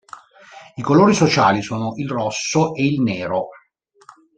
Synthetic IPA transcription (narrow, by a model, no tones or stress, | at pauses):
ikoloːɾisot͡ʃaːlisoːnoʔilrɔsːoʔeilneːɾo